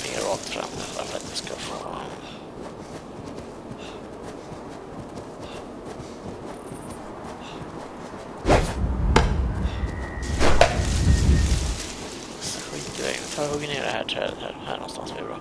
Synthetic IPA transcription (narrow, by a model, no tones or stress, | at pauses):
ɪŋːəɾɑːk̚t̪fɾa̰mːd̪ɛlːafœɾat̪jaskafoː | saɧiːt̪ɪvɛ̰ːɡnət̪ʰɑːhɵɡːəneːɖɛhæːʈʰɾɛːət̪hæːɾhæːɳʔɔnst̪ansblɪbɾɑː